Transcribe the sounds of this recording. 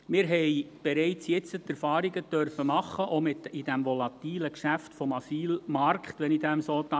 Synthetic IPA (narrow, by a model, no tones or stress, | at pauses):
mɪɾɦɛɪb̥eɾɛɪt͡sjɛt͡sətæɾfɑːɾiɡət̪œɾfəmɑχəʔomɪtɪd̥æmʋɔlɑt̪iːləkʃæftfɔmɑsiːlmɑrkχt̪ʋɛnidæmsɔt̪ɑ